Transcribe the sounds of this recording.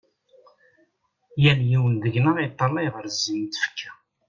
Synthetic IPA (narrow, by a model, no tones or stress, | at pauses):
jæljiwənðəʝnəʁijt̪ˤːɑlˤːɑjʁəɾzːimt̪ə̥fə̥kʰːæ